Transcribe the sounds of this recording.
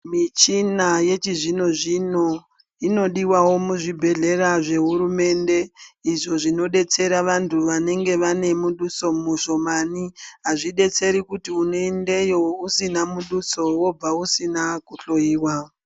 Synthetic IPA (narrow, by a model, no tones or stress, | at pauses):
mit͡ʃinaje̞t͡ʃiʐino̞ʐino̞ | ino̞ɗiwawo̞muʐibʱe̞ɮe̞ɾaʐe̞ɦuɾume̞nde̞iʐo̞ʐino̞ɗe̞t͡se̞ɾaʋantʰuʋane̞ŋɡe̞ʋane̞muɗuso̞muʃo̞maniɦaʐiɗe̞t͡se̞ɾikutiunende̞jo̞usinamuɗuso̞wo̞b͡vausinakuɬo̞jiːwa